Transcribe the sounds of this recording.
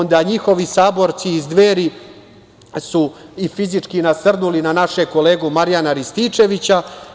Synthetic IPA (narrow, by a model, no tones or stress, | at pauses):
nd̪aɲixo̞ʋisaːbo̞ɾt̪siːzd̪ʋeːɾi | suifizit͡ʂkinasrnulinanaʃeko̞leːɡumaɾjanaɾist̪it͡ʂe̞ʋit͡ɕa